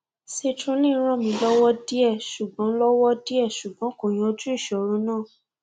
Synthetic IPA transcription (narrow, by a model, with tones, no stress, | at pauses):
se˧tɾũ˧˦lĩ˦˨˧ɾ̃ɔ̃˦˨mĩ˧lɔ˦wɔ˦di˦ɛ˦˨ʃu˨ɡ͡bɔ̃˨˦lɔ˦wɔ˦di˦ɛ˦˨ʃu˨ɡ͡bɔ̃˨˦ko˨j̃ɔ̃˧o˧d͡ʒu˦i˦˨ʃɔ˨ɾũ˨˧˦nãː˦˨